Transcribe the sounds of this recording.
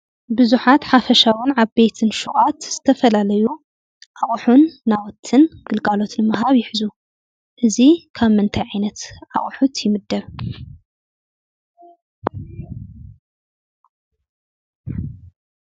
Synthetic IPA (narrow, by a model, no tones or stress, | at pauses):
bɨzuħat̪ħafɐʃawɨnʕaβbet̪ʰɨnʃuχʼat̪z̥ɨt̪ʰɐfɐlalɐju | ʔaχʼħunːawɔt̪ʰɨnɡ̥ɨlɡalo̞t̪nɨmɨɦaβjɪħɨzu | ʔɨzikʰaβmɨnt̪ʰajʕajnɐt̪ʕa̰χʼħut̪ʰjɪmɨd̪ːɐβ